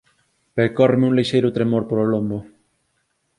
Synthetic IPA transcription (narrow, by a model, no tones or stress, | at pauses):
pekɔremeuŋleʃejɾʊt̪ɾemoɾpoɾolombʊ